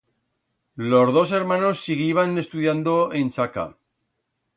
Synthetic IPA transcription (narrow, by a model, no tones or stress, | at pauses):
lo̞zðo̞se̞ɾmãno̞sːiɣ̞iβane̞st̪uðjand̪oe̞nt͡ʃaka̰